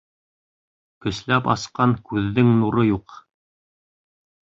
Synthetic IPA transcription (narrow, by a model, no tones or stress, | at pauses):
kɵ̆slæpɑ̰sqɑŋkʉðːɘŋnuɾɤjuq